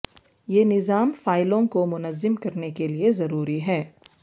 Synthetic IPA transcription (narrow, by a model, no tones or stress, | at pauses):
jeːnɪzaːmfaːɪlõkomʊnəzːɪmkɐɾnekeliezɐɾuːɾiɦɛː